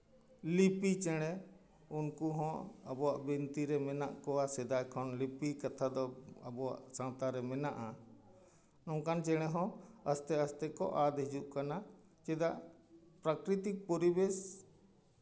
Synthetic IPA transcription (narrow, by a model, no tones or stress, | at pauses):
lipit͡ʃɛɽ̃ɛ | unkuɦɔ̃əbɔwaʔbint̪iɾɛmɛnaʔkɔwasɛd̪aɛkʰɔnlipikat̪ʰad̪ɔəbɔwa̰ʔsãt̪aɾɛmɛnaʔa | nɔ̃ŋkant͡ʃɛɽ̃ɛɦɔ̃əst̪ɛəst̪ɛkɔʔad̪ɦid͡ʒuʔkana | t͡ʃɛd̪aʔpɾakɾit̪ik̚pɔɾibes